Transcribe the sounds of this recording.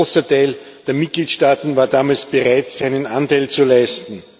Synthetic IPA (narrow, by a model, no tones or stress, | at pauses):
oːsɐtʰaɪl | d̥eːɐmɪt̚ɡ̥liːtʃtaːtn̩vaːɐdaːmaːlsb̥eʁaɪtsæɪnənantaɪlt͡sulaɪstn̩